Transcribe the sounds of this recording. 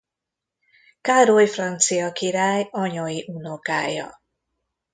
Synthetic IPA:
kaɾojfrant̪sijɒkiɾaːjɔɲoiʔunoka̰ːjɒ̰

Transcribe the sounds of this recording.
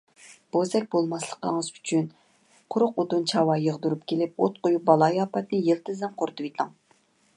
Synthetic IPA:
b̥ozɛk̚ʲbolˠmɑslˠə̥qəŋəzy̥t͡ʃʰyn | qʰʊɾʊqot̪unt͡ʃʰɑwɑjəʁd̪uɾupkʲʰelɪp̚ot̪̚qojup̚bɑlˠɑjɑːpɑt̪nɨjelˠt̪ɨzɛmqʰoɾt̪ʰɨwit̪ʰɑŋ

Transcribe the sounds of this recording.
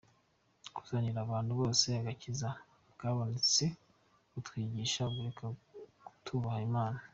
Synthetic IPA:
ku̥z̥aniɾaːβaːnduβo̞ːse̞aɡaciza | bɡaβanit͡se | kutwiːɟiːʃaɡuɾekʰautʰuβahaimaːna

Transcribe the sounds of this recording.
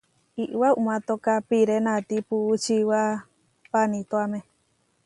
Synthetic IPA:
iʔwaumãt̪okapiɾenãt̪ipuːt͡ʃiwa | panĩt̪oamẽ

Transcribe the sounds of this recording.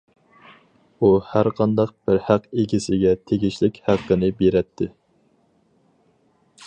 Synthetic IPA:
uhæɾqʰɑnd̪ɑq̚b̥ɪɾhæqeɡʲisɪɡʲɛt̪ʰeɡʲiʃlɪkʲhæqːɨnɪbeɾɛt̪ʰːɪ

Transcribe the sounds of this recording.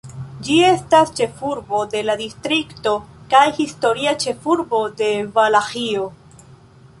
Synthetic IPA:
d͡ʒie̞stast͡ʃe̞fuɾbo̞de̞ladistɾikto̞kajhisto̞ɾiat͡ʃe̞fuɾbo̞de̞valaxio

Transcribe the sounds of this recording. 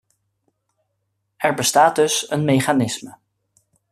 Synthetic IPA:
ɛɹbəstaːd̚dɵsənmejχaːnɪsmə

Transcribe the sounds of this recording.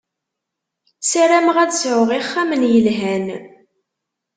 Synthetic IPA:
sæɾæmʁæd̪sʕʊʁiχːæmənjəlɦæn

